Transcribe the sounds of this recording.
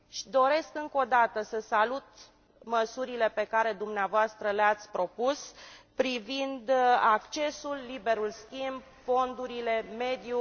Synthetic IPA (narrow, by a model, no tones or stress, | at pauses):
ʃi̥d̪o̞ɾe̞skɨŋko̞d̪at̪əsəsalut̪ | məsuɾile̞pe̞kaɾe̞d̪umneavoast̪ɾəleat̪sʲpɾo̞puspɾivind̪akt͡ʃe̞sulːibe̞ɾulskʲimb | fo̞nd̪uɾile̞me̞d̪ju